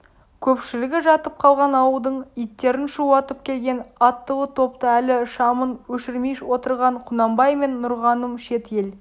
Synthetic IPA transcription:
kʲʰɵpʃɪlɪɡʲɪʒɑt̪əp̚qʰɑlˠʁɑnɑwəld̪əɴijt̪ːe̞ɾɪnʃuɑt̪əp̚kʲʰe̞lɡʲe̞nɑt̪ːəwət̪ʰo̞pt̪əælɪʃɑmənwɵʃɪɾmejʃwo̞t̪əɾʁɑɴqʰʊnɑmbɑjme̞nːʊɾʁɑnəmʃe̞t̪je̞l

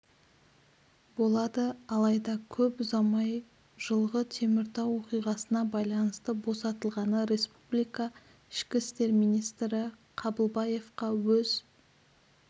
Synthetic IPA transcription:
bo̞lˠɑd̪əɑlˠɑjd̪ɑkʲʰɵpzɑmɑj | ʒ̥əlˠʁət̪ʰe̞mɪɾt̪ɑwo̞qijʁɑsənɑbɑjlˠɑnəst̪əbo̞sɑt̪əlˠʁɑnəɾe̞spublijkɑ | ɪʃkʲɪst̪e̞ɾmijnijst̪ɾɪ | qʰɑbəlˠbɑje̞fqɑwɵz̥

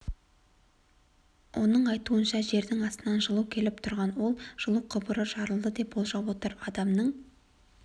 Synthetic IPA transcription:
wʔo̞nəɴɑjt̪uənʃɑʒe̞ɾd̪ɪŋɑst̪ənɑnʒəlˠukʲʰe̞lɪp̚t̪ʰʊɾʁɑnwo̞lˠʒ̥əlˠuwqʰʊbəɾəʒɑɾəlˠd̪əd̪e̞pwolˠʒɑwo̞t̪əɾɑd̪ɑmnəɴ

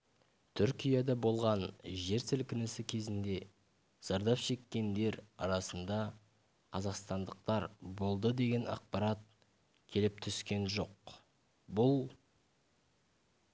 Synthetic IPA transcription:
t̪ʰʏɾkʲijɑd̪ɑbo̞lˠʁɑnʒe̞ɾsɪlkʲʰɪnɪsɪkʲʰe̞zɪnd̪e̞ | z̥ɑɾd̪ɑpʃe̞kʲːe̞nd̪e̞ɾɑ̰ɾɑsənd̪ɑ | qʰɑzɑqst̪ɑnd̪əq̚t̪ɑɾbo̞lˠd̪əd̪e̞ɡʲe̞nɑ̰q̚pɑɾɑt̪̚ | kʲʰe̞lɪp̚t̪ʰʏskʲe̞nʒo̞q̚ | bʊlˠ

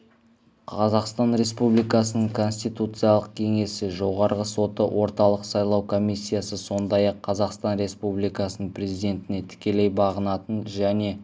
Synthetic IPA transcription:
qʰɑzɑqst̪ɑnɾe̞spublijkɑsənəɴkʰo̞nsʲt̪ijt̪ut̪sɨjɑlˠəq̚kʲʰe̞ŋe̞sɪʒo̞ʁɑɾəʁəso̞t̪əwʔo̞ɾt̪ɑlˠəqsɑjlˠɑwkʰo̞misʲːijasəso̞nd̪ɑjɑqʰːɑzɑqst̪ɑnɾe̞spublijkɑsənəɴpʰrʲe̞zijd̪ʲe̞nt̪ɪne̞t̪ʰɪ̥kʲe̞le̞jbɑʁənɑt̪ənʒæne̞

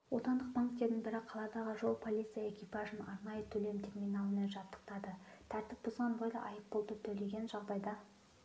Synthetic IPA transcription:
wo̞t̪ɑnd̪əq̚baŋkt̪e̞ɾd̪ɪnbɪɾɪqʰɑlˠɑd̪ɑʁəʒo̞lˠpʰo̞lʲijt̪sɨjae̞kʲipɑʒənɑɾnɑjət̪ʰɵle̞mt̪ʰe̞ɾmʲijnɑlˠəneʒɑpt̪ːə̥q̚t̪ɑd̪ət̪ʰæɾt̪ɪp̚bozʁɑnbojlˠɑ̰ʔɑjəp̚bo̞lˠd̪ət̪ʰɵle̞ɡʲe̞nʒɑʁd̪ɑjd̪ɑ

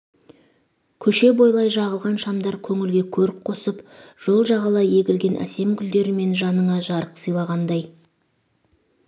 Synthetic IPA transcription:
kʲʰɵʃe̞bo̞jlˠɑjʒɑʁəlˠʁɑnʃɑmd̪ɑɾkʲʰɵŋɪlɡʲe̞kʲʰɵɾɪpqʰo̞səpʒ̥o̞lˠʒɑʁɑlˠɑe̞ɡʲɪlɡʲe̞nʔæ̰se̞mɡʲʏld̪e̞ɾɪme̞nʒɑnəɴɑʒɑɾəqsijlˠɑʁɑnd̪ɑj

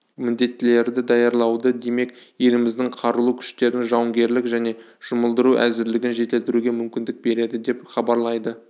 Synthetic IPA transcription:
mɪnd̪e̞t̪ːɪle̞ɾd̪ɪd̪ɑjɑɾlˠɑwd̪əd̪e̞me̞kje̞lɪmɪzd̪ɪŋqʰɑɾəlˠukʲʰʏ̥ʃt̪e̞ɾɪnʒɑwəŋɡʲe̞ɾlɪkʒæne̞ | ʒ̥ʊməlˠd̪əɾuʔæzɪɾlɪɡʲɪnʒe̞t̪ɪlt̪ɪɾuɡʲe̞mʏmkʲɪnd̪ɪk̚be̞ɾe̞d̪ɪd̪e̞pχɑbɑɾlˠɑjd̪ə

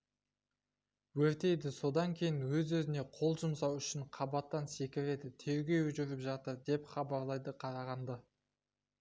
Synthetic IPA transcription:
wɵɾt̪e̞jd̪ɪso̞d̪ɑŋkʲʰe̞jɪnwɵzwɵzɪne̞qʰo̞lˠʒəmsɑwʏʃɪɴqʰɑbɑt̪ːɑnse̞kʲɪɾe̞d̪ɪt̪ʰe̞ɾɡʲe̞ɵʒʏɾɪpʒɑt̪əɾd̪e̞pχɑbɑɾlˠɑjd̪əqʰɑɾɑʁɑnd̪ə

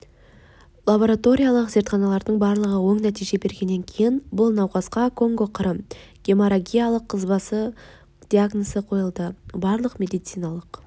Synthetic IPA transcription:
lˠabo̞ɾat̪o̞ɾʲijalˠəqze̞ɾt̪χɑnɑlˠɑɾd̪əɴbɑɾlˠəʁəwo̞ɴnæt̪ijʒe̞be̞ɾɡʲe̞nːe̞ŋkʲʰe̞jɪnbʊlˠnɑwqɑsqɑkʰo̞ŋɡoqʰəɾəmɡ̥ʲe̞moɾaɡʲijalˠəqʰːəzbɑsə | d̪̥ʲiaɡnosəqʰo̞jəlˠd̪əbɑɾlˠəqmʲe̞d̪ijt̪sijnɑlˠəq

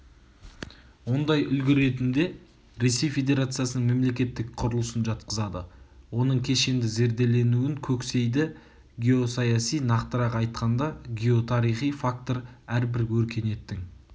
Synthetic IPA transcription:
wo̞nd̪ɑjʏlɡʲɪɾe̞t̪ɪmd̪e̞ | ɾe̞sːe̞jfe̞d̪e̞ɾat̪sɨjasənəɴme̞mle̞kʲe̞t̪ːɪk̚qʰʊɾəlˠəsənʒɑt̪qəzɑd̪əwo̞nəɴkʲʰe̞ʃe̞nd̪ɪze̞ɾd̪e̞le̞nuwɪŋkʲʰɵkse̞jd̪ɪ | ɡʲio̞sɑjɑsijnɑqt̪əɾɑqɑjt̪qɑnd̪ɑɡʲio̞t̪ʰɑɾijχijfak̚t̪o̞ɾæɾbɪɾkʰɵɾkʲʰe̞ne̞t̪ːɪŋ

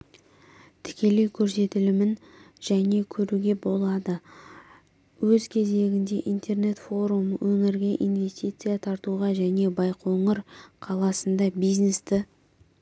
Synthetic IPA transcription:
t̪ʰɪ̥kʲe̞le̞jkʲʰɵɾse̞t̪ɪlɪmɪn | ʒæne̞kʲʰɵɾuɡʲe̞bo̞lˠɑd̪ə | wɵzkʲʰe̞ze̞ɡʲɪnd̪e̞ʔijnt̪ʰe̞rne̞t̪fo̞ɾuməwʔɵŋɪɾɡʲe̞ʔinve̞st̪ʲit̪sɨjat̪ʰɑɾt̪uʁɑʒæne̞bɑjqoɴəɾqʰɑlˠɑsənd̪ɑbijzne̞st̪ɪ

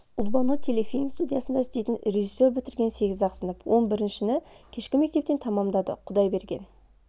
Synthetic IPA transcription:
ʊlˠbɑnot̪ʰe̞lefʲinʲɪŋst̪ud̪ʲijasənd̪ɑɪst̪e̞jt̪ɪnrʲeʒisːo̞ɾbɪt̪ɪɾɡʲe̞nse̞ɡʲɪzɑqsənəpwʔo̞nbɪɾɪnʃɪnɪkʲʰe̞ʃkʲɪme̞k̚t̪e̞pt̪e̞nt̪ʰɑmɑmd̪ɑd̪ə̰qʰʊd̪ɑjbe̞ɾɡʲe̞n

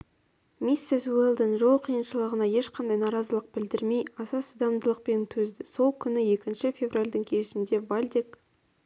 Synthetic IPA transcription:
mʲisːeswelˠd̪ənʒo̞lˠqʰijənʃəlˠəʁənɑje̞ʃqʰɑnd̪ɑjnɑɾɑzəlˠəq̚bɪld̪ɪɾme̞jɑsɑsəd̪ɑmd̪əlˠəq̚pe̞nt̪ʰɵzd̪ɪso̞lˠkʲʰʏnɪje̞kʲɪnʃɪfʲe̞vralʲd̪ɪŋkʲʰe̞ʃɪnd̪e̞vɑlʲd̪ek

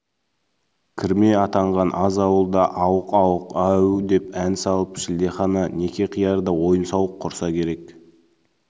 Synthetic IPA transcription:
kʲʰɪɾme̞ɑt̪ɑɴʁɑnʔɑzɑwəlˠd̪ɑʔɑwəqɑwəqɑwd̪e̞pænsɑlˠəpʃɪld̪e̞χɑnɑne̞kʲe̞qʰijɑɾd̪əwo̞jənsɑwəqʰːʊɾsɑkʲʰe̞ɾe̞k

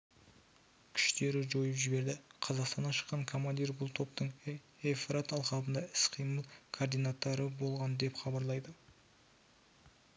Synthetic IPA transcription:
kʲʰʏ̥ʃt̪e̞ɾɪʒo̞jəpʒɪbe̞ɾd̪ɪqʰɑzɑqst̪ɑnːɑʃə̥qːɑŋkʰo̞mand̪irbʊlˠt̪ʰo̞p̚t̪əɴ | efɾat̪ɑlˠqɑlˠbənd̪ɑɪ̥sqʰəjməlˠkʰord̪ijnat̪ːɑɾəbo̞lˠʁɑnd̪e̞pχɑbɑɾlˠɑjd̪ə

